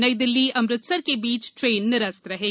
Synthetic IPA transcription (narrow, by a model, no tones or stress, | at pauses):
nəid̪ɪlːiɐmɾɪt̪səɾkebiːt͡ʃʈɾeːnːɪɾəst̪ɾɐɦeː